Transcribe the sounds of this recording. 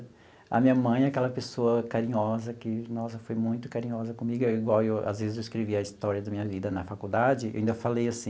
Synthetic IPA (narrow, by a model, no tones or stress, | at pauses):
ɐ̰mĩɲɐmɐ̃j̃ɛakɛlɐpesoɐkaɾĩɲɔzɐkɪnɔsɐfojmũj̃t̪ʊ̥kaɾĩɲɔzɐkõmiɡʊewiɡwawewa̰zvezɪzewiskɾeviɐist̪ɔɾiɐd̪ɐmĩɲɐvid̪ɐnɐfakud̪ad͡ʒɪḛwĩd̪ɐfalejasĩ